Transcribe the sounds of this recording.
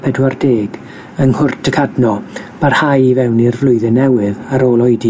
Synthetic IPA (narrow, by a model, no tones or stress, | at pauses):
pʰɛdwardeːɡ | əŋhʊrtʰəkʰadnɔb̥arhajivɛwnirvlˠʊɨðɛnɛwɪðaɾoːlˠɔjdi